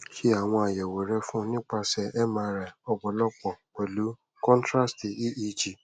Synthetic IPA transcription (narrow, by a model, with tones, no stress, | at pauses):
hi˦a˨w̃ɔ̃˧˦a˨jɛ˨we˨ɾe˧fʊ̃˦nɪ̃˦k͡pa˧sɛ˧ɛ˦ma˦ɾa˨ɔ˦ɡ͡bɔ˨lɔ˦k͡pɔ˨k͡pe˨lu˨˦ | kɔ̃˦ntɾa˦sti˨i˦ʔi˦d͡ʒi˨